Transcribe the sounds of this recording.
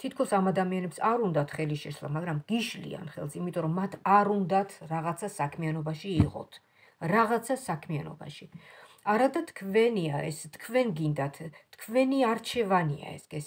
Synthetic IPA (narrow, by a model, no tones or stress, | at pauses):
t̪ʰit̪̚ʰkʰɔsamad̪amianɛpsaɾund̪at̪ʰχɛliʃɛʃlˠa̰maɡɾamɡ̥iʃlḭa̰nχɛ̰lˠsimit̪ʼɔɾɔmːat̪ʰaɾund̪at̪ʰɾaʁat̪sʰasakʰmianɔbaʃiːʁɔ̰t̪ʰ | ɾaʁat̪sʰasakʰmianɔ̰ba̰ʃi | aɾad̪at̪ʰkʰvɛniaɛst̪kʰvɛnɡind̪at̪ʰːkʰvɛniaɾt͡ʃʰɛvania̰ɛ̰sɡɛs